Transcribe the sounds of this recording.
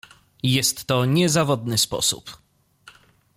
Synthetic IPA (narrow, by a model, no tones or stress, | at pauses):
jɛst̪ːɔɲɛzavɔd̪nɘspɔ̰sṵp